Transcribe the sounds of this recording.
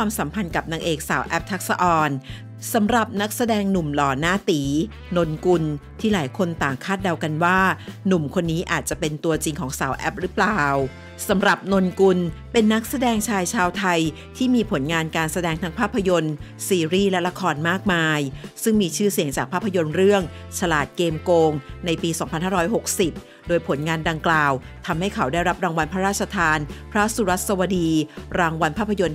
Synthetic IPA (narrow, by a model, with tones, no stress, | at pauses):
waː˧msa˩˦mpʰa˧nka˨˩p̚naː˧ŋʔeː˨˩k̚saː˩˦wʔɛ˦˥p̚t̪ʰa˦˥k̚sa˧ʔɔː˧n | sa˩˦mɾa˨˩p̚na˦˥k̚sa˧dɛː˧ŋnu˨˩mlɔː˨˩˦naː˥˩t̪iː˩˦ | no˧nku˧nt̪ʰiː˥˩laː˩˦jkʰo˧nt̪aː˨˩ŋkʰaː˥˩t̪̚da˧wka˧nwaː˥˩nu˨˩mkʰo˧nːiː˦˥ʔaː˨˩t̪̚t͡ɕa˨˩pe˧nt̪u˧ɐt͡ɕi˧ŋkʰɔː˩˦ŋsaː˩˦wʔɛ˦˥p̚ɾɯ˦˥plaː˨˩w | sa˩˦mɾa˨˩p̚no˧nku˧npe˧nːa˦˥k̚sa˧dɛː˧ŋt͡ɕʰaː˧jt͡ɕʰaː˧wt̪ʰa˧j | t̪ʰiː˥˩miː˧pʰo˩˦nŋaː˧nkaː˧nsa˧dɛː˧ŋt̪ʰa˦˥ŋpʰaː˥˩pʰːa˧jo˧n | siː˧ɾiː˥˩lɛ˦˥la˦˥kʰɔː˧nmaː˥˩k̚maː˧jsɯ˥˩ŋmiː˧t͡ɕʰɯː˥˩si˩˦ŋt͡ɕaː˨˩k̚pʰaː˥˩pʰːa˧jo˧nɾɯ˥˩əŋ | t͡ɕʰa˧laː˨˩t̪̚keː˧mkoː˧ŋna˧jpiː˧sɔː˩˦ŋpʰa˧nhaː˥˩ɾɔː˦˥jɦo˨˩k̚si˨˩p̚ | doː˧jpʰo˩˦nŋaː˧nda˧ŋklaː˨˩w | t̪ʰa˧mha˥˩jkʰa˩˦wda˥˩jɾa˦˥p̚ɾaː˧ŋwa˧npʰɾa˦˥ɾaː˥t̪̚t͡ɕʰa˧t̪ʰaː˧npʰɾa˦˥su˧ɾa˦˥t̪̚sa˧wa˧diː˧ɾaː˧ŋwa˧npʰaː˥˩pʰːa˧jo˧n